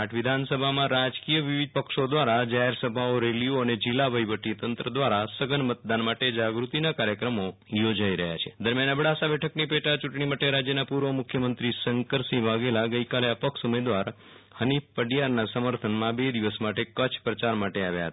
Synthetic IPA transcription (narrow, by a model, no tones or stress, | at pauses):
aʈʰʋɪd̪ʱansəbʱamãɾad͡ʒkijəʋiʋɪd̪̚pəkʃod̪ʋaɾad͡ʒaɦeɾsəbʱaoɾelijoəned͡ʒɪlːabʱəjʋəʈit̪ənt̪ɾəd̪ʋaɾasəɡənmət̪̚d̪anmaʈed͡ʒaɡɾut̪inakaɾjəkɾəmo | jod͡ʒaiɾəɦja̰t͡ʃʰe̥d̪əɾmjanəbɽasabɛʈʰəknipeʈat͡ʃuʈɳimaʈeɾad͡ʒjənapuɾʋəmʊkʰjəmənt̪ɾisəŋkəɾsĩʋaɡelaɡəjkaleəpəkʃumed̪ʋaɾ | hənifpəɖjaɾnasəməɾt̪ʰənmãbed̪iʋəsmaʈekət͡ʃʰpɾət͡ʃaɾmaʈeaʋja̰ɦət̪a